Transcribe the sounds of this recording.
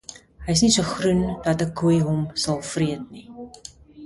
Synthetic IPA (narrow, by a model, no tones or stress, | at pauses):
ɦəjəsnisuəχrundɐtəkuəjɦɔmsɐlˠfriət̚ni